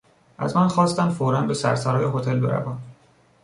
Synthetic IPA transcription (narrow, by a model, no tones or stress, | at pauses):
ʔæ̰zmænxɒːst̪æmfoːɾænbe̞sæɾsæɾɒːjeɦot̪ʰe̞lbe̞ɾæ̰væːn